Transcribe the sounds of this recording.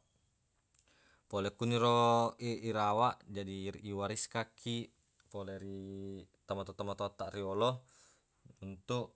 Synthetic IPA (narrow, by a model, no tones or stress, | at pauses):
pɔlɛkuniɾɔeiɾawaʔd͡ʒadiːwaɾiskakʰi | pɔlɛɾit̪amat̪ɔt̪amat̪ot̪aʔɾiɔlɔ | unt̪uʔ